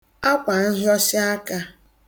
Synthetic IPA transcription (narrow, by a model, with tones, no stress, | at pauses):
a˦kʷa˨n̩˦ɦɪ˦ɔ˦sɪ˦a˦ka˦